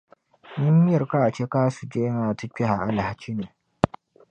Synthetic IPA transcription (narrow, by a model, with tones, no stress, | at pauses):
nɪ˦mːɪ˦jɐ˨ɾka˦ʔa˨t͡ʃe˦kaː˦su˨d͡ʒe˦ŋa˨tɐ˦k͡pʲe˦ha˨ʔa˦la˨ha˦t͡ʃi˦neː˨